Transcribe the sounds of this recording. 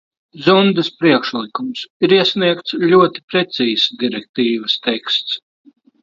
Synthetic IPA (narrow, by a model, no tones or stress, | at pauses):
zund̪ɨspɾiɛkʃlˠikumsiɾiɛsʲniɛkt̪slʲuɔt̪i̥pɾɛt̪siːz̥d̪ʲiɾɛk̚t̪iːvəst̪ɛkst̪s